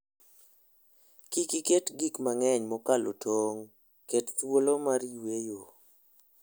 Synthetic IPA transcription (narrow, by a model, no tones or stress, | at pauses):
kikiketɡikmaŋɛɲmɔkalo̰tʰoŋ | kettwolomarjwejo